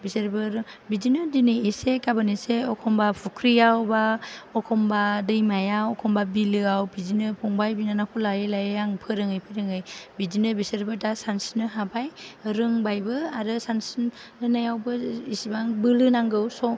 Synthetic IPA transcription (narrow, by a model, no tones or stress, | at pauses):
biseɾbɯɾɯbid͡ʒinɯdinɯisekabɯniseɔkʰɔmbapʰukʰɾijawbaɔkʰɔmbadɯjmajawɔkʰɔmbabilɯawbizinɯpʰɔŋbajbinanakʰɔlajelajejaŋpʰɯɾɯŋɯjpʰɯɾɯŋɯjbid͡ʒinɯbiseɾbɯtasansinɯɦabajɾɯŋbajbɯaɾɯsansinɯnajawbɯisibaŋbɯlɯnaŋɡɯwsɔ